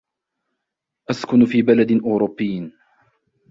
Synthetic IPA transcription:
ʔaskʊnfiːbalad̪ɪʔʊːɾʊbːɪːn

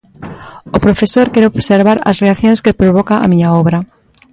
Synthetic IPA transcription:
opɾofesoɾkɛɾooβseɾβaɾɐ̰sreaθjõŋskepɾoβ̞ɔkaʔa̰miɲaoβɾɐ

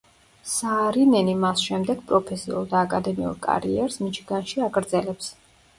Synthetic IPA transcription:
saːɾinɛnimasʃɛmd̪ɛɡ̥̚pʼɾɔpʰɛsḭulˠd̪aːkʼad̪ɛmḭṵɾkʼa̰ɾḭɛɾsmit͡ʃʰɡanʃiaɡɾd̪zɛlɛps

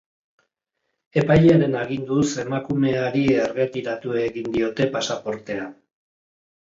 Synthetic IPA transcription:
e̞pajʎeaɾe̞naɣind̪use̞makume̞aɾierɣe̞t̪iɾat̪ue̞ɣind̪io̞t̪e̞pasapo̞ɾt̪e̞an

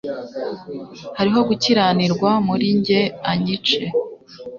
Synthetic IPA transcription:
haɾiɦo̞ɡuciɾaniɾɡwamuɾiɲɟe̞aɲit͡ʃe

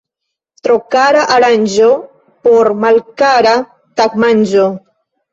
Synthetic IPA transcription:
t̪ɾokaɾaʔaɾaɲʲd͡ʒo | poɾmalkaɾa | t̪akmaɲʲd͡ʒo

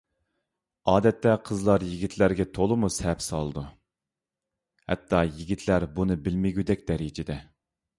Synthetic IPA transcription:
ɑːd̪ɛt̪ʰːɛqʰəzlˠɑɾjiɡʲit̪ʰlæɾɡʲɛt̪ʰolˠɨmushɛpsɑlˠɨd̪u | hɛ̰t̪ʰːɑjiɡʲit̪ʰlæɾbunɨbɪlmɪɡʲyd̪ɛk̚ʲd̪̥ɛɾid͡ʒɪd̪ɛ

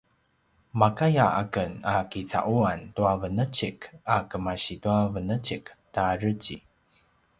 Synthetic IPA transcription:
makajaa̰kənakit͡sa̰ʔuantuavənət͡ɕikakəmaɕituavənət͡ɕiktaɾət͡ɕi

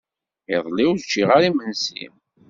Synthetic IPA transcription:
eðˤlɪwðt͡ʃːiʁaɾimənsḭm

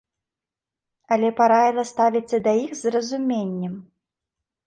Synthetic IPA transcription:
ɐlʲɛpaɾavʲilˠɐst̪avʲit͡ssʲːɐd̪ɐjixzrɐzumʲenʲːɛm

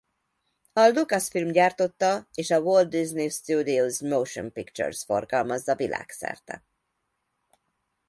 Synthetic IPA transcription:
ɒlukɒsfilmɟaːrt̪o̞t̪ːɒeːʃɒwold̪̚biznist̪uːd̪iozmowʃo̰mpikt͡ʃø̰rsfo̞̰rɡɒlmɒzɒvilʔa̰ːksɛ̰rt̪ɛ̰

